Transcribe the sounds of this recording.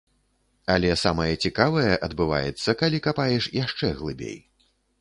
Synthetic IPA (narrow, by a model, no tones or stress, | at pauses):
ɐlʲɛsamɐjɐt͡sʲikavɐjɛʔɐd̪bɨva̰jɛt̪sːɐkalʲikapajɛʂjaʂt͡ʂɛɣlˠɨbʲḛj